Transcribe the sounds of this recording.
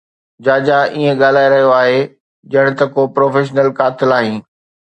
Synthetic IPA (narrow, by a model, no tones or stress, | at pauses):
d͡ʑaːd͡ʑaʔiẽɠaːl̤aːeɾɐɦijoaːɦe | d͡ʑɐɽ̃t̪ɐkopɾoːfeːʃ̬nəlkaːt̪ɪlaːɦĩː